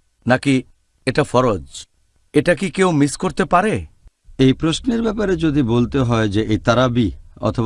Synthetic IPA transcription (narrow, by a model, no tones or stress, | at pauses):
naki | eʈafɔɾod͡ʒ | eʈakikewmiskoɾt̪epaɾe | ejpɾosneɾbɛp̬aɾed͡ʑod̪ibolt̪eɦɔed͡ʑeʔejt̪aɾabiɔ̰t̪ʰo